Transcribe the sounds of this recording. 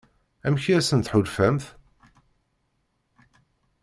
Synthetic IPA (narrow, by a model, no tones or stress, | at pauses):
æmçiɾæsənt̪ħʊlfæmθ